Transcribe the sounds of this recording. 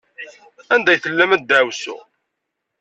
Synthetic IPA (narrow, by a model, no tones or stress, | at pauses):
ænd̪æjθəlːæmæd̪d̪æwsṵ